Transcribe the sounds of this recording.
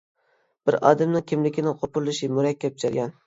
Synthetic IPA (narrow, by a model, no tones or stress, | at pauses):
b̥ɪɾɑ̰ːd̪ɪmnɪŋkʲʰɪmlɪkʲʰɪnɪqʰopʊɾlˠɪʃɪmʊɾɛkʲːap̚t͡ʃʰɑɾɡʲɑn